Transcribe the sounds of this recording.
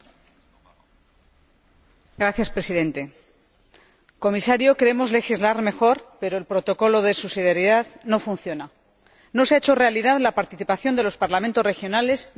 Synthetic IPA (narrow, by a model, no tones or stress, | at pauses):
ɡɾaθjaspɾe̞siðẽ̞nt̪e̞ | ko̞misaɾjo̞keɾemo̞zlexizlaɾme̞xo̞ɾpe̞ɾoelpɾo̞t̪o̞ko̞lo̞ðe̞susiðeɾiðaðno̞funθjo̞na | no̞seaet͡ʃo̞re̞alið̞aðlapaɾt̪iθipaθjond̪e̞lo̞spaɾlamẽnt̪o̞sre̞xjo̞nale̞s